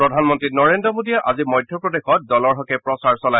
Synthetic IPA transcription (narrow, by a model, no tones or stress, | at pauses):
pɹɔdʱanmɔntɹitnɔɹendɹɔmodijɛʔa̰zimɔjdʱjɔpɹɔdexɔt̚dɔlɔɹɦɔkɛpɹɔsaɹsɔla